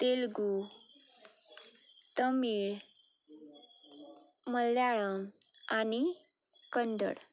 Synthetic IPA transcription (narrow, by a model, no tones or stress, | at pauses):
t̪elɡu | t̪əmiɭ | məlːjaɭəŋanikəɳdə̰ɽ